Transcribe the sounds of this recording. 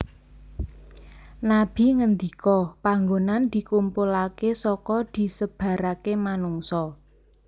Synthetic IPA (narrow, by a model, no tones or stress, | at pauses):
nab̥i̤ŋənd̪ikɔpaŋɡonand̪̥i̤kumpulakesɔkɔd̪̥i̤səb̥ä̤ɾakemanuŋsɔ